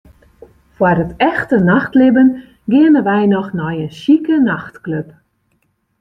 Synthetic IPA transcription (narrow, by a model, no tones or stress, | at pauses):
fwarətɛxtənaxtlɪbən | ɡɪənəʋɛjnɔxnɔjənsikənaxtkløp̚